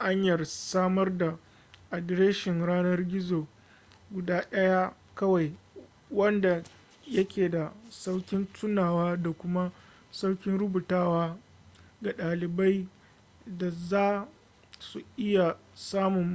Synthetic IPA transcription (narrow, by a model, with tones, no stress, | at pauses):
ʔa˦ɲjɐ˨rsaː˦mɐ˦rda˨ | ʔa˨dɾe˦ʃɪ˨ŋɽaː˦nɐ˦rɡʲɪ˦zoː˨ | ɡʷʊ˨daː˦ɗɐ˦ja˦ | kɐ˦wa˨j | wɐ˦nda˨ | jɐ˦kʲeː˨da˨sa˦wkʲɪ˦ntʰʊ˦naː˨waː˦da˨kʷʊ˦ma˦ | sa˦wkʲɪ˦nɽʊ˦bu˨taː˦waː˦ | ɡa˨ɗaː˨lɪ˨ba˦j | da˨zaː˦ | su˨ʔɪ˦ja˨saː˦mʊ˨m